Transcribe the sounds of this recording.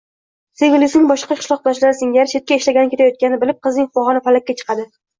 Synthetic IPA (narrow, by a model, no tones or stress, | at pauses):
seɡlˠɪsɪŋbɒʃqɑkʰɨ̥ʃlˠɒq̚d̪ɒʃlaɾɪsɪŋjʲaɾʃet̪̚kʲaeʃlaɡʲanɪkʲe̞t̪ʰajɒt̪̚kʲanɪbɪlɪp̚qʰɨznɪŋfɒʁɒnɪpalakʲːat͡ʃʰɨ̥qʰɑd̪ɪ